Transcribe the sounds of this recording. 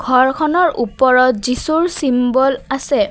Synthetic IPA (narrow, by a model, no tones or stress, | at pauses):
ɡʱɔɹkʰɔnɔɹʔupɔɹɔtzisuɹsimbɔlasɛ